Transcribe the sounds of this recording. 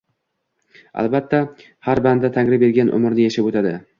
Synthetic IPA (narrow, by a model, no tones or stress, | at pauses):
a̰lbat̪ʰːa | haɾband̪at̪ʰaŋɾɪbe̞ɾɡʲanʔʊ̰mɪɾnɪjeʃapot̪ʰad̪ɪ